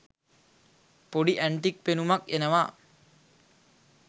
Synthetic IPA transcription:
poɖiʔæɳʈik̚penumɐkenəʋaː

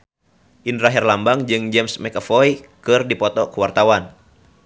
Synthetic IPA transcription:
ʔindɾaɦɛrlambaŋd͡ʒɨŋd͡ʒɛmsmɛkafɔjkɨrdipɔt̪ɔkuwart̪awan

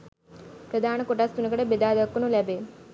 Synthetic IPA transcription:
pɾɐd̪ʱaːnɐkoʈaːst̪unɐkɐɽebed̪aːd̪ɐkːunulɐbeː

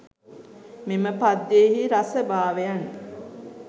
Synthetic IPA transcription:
meməpad̪jehiɾasəbaːʋejan

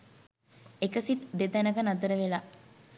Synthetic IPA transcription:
ekəsit̪d̪ed̪ænəɡənad̪əɾəʋela

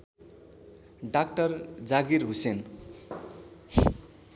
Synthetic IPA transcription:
ɖak̚ʈʌrd͡zaɡiɾɦusen

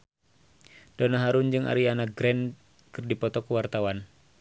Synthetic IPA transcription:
d̥ɔnaɦaɾund͡ʒɨŋʔa̰ɾianaɡɾɛn | kɨrdipɔt̪ɔkəwart̪awan

